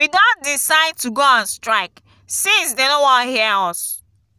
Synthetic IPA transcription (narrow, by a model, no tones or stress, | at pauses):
widɔ̃nt̚disaɪd̚tuɡoãnstɹaɪk | sĩsdedõwɔ̃nhiɛɔs